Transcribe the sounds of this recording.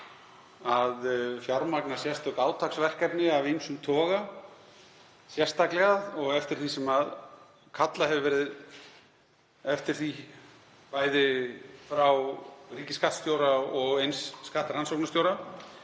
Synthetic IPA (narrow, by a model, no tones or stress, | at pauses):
aðfjawɾmaknḁsjɛst̪ʏkaːwt̪ʰaksvɛr̥kɛpnɪavijnsʏmt̪ʰɔːɣa | sjɛrst̪aklɛɣaðɔɣɛft̪ɪɾ̥θisɛmað | kʰat̪lahɛvʏvɛːɾɪð | ɛft̪ɪɾ̥θi | vaːjðɪfɾawriːcɪskaht̪st̪jowɾaɔɣejnsːkaht̪ɾansowknast̪jowɾa